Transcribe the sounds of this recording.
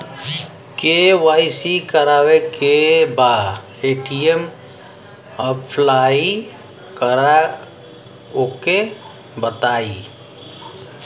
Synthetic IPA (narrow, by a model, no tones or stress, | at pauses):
keʋaːɪsikəɾaːwekebaːd | eːʈiem | əpʰlaːi | kəɾa | oke | bət̪aːi